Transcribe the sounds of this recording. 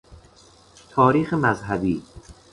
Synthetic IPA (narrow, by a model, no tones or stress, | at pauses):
t̪ʰɒːɾiːxemæzɦæbiː